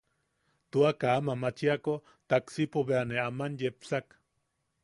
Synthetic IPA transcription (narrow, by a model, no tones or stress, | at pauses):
t̪uakaːmamat͡ʃiako | t̪aksipoβeaneamanjepsak